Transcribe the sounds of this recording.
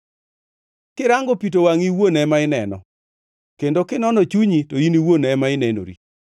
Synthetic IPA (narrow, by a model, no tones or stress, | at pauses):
kɪɾaŋɡopitowaŋiwonɛmaɪnɛnɔ̰ | kendokɪnɔnɔt͡ʃuɲitoiniwonɛmaɪnɛno̰ɾḭ